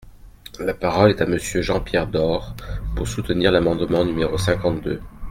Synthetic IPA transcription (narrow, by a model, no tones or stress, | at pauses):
lapaʁɔlɛt̪aməsjøʒɑ̃pjɛʁd̪ɔʁpuʁsut̪əniʁlamɑ̃d̪mɑ̃nymeʁosɛ̃kɑ̃t̪̚d̪ø